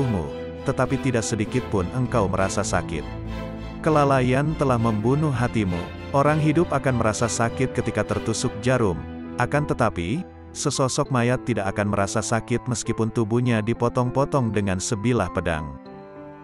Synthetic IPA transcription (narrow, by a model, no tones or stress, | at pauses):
mṵ | t̪ət̪apit̪idaʔsədikɪt̪̚pʊnəŋkawməɾasasa̰kɪ̰t̪̚ | kəlalajant̪əlahməmbunʊhɦat̪imṵ | ʔoɾaŋɦidʊpakanməɾasasakɪt̪̚kət̪ikat̪ərt̪usʊk̚d͡ʒaɾʊmʔakant̪ət̪api | səsɔsɔk̚majat̪ːidaʔakanməɾasasakɪt̪̚məskipʊnt̪ubuɲadipɔt̪ɔŋpɔt̪ɔŋdəŋansəbilahpəda̰ŋ